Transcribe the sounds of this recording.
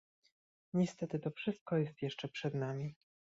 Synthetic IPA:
ɲɛst̪ɛt̪ɘt̪ɔfʂɘst̪̚kɔjɛst̪jɛʂt͡ʂɛpʂɛd̪namʲi

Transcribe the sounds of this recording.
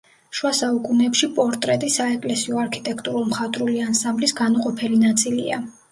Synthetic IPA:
ʃwasaukʼunɛpʃipʼɔɾt̪ʼɾɛt̪ʼisaɛkʼlɛsiɔaɾkʰit̪ʼɛkʰt̪ʼuɾumχat̪ʼɾuliansãmblisɡanuqʼɔpʰɛlinat̪sʼilia

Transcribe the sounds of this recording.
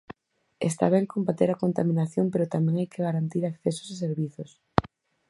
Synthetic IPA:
est̪a̰β̞ɛŋkombat̪eɾakont̪amĩnaθjompeɾʊt̪amɛ̃ŋajkeɣaɾant̪iɾakθesʊ̥saseɾβiθos

